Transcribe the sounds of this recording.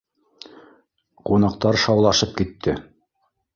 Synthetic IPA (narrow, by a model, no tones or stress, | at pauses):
qunɑq̚t̪ɑɾʃɑwlˠɑʃɤp̚kit̪ʰːɘ